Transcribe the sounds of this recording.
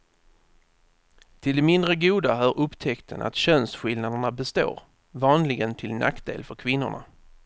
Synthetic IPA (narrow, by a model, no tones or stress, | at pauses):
t̪ʰɪld̪ɛmɪnd̪ɾəɡuːd̪aɦœːɾɵpːt̪ʰɛkt̪ʰə̰na̰t̪ɕœnsɧɪld̪nad̪əɳabɛst̪o̰ːɾ | vɑːnlɪɡənt̪ʰɪlnʔa̰kt̪d̪ḛːlfœɾkʰvɪnːʊ̰ɳa̰